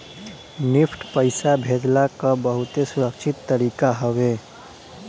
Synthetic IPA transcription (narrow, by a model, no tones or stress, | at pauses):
nɪpʰʈpəɪsabʱeːd̪lakabəɦʊt̪esʊɾəkʃʰɪt̪ːəɾiːkaɦəwe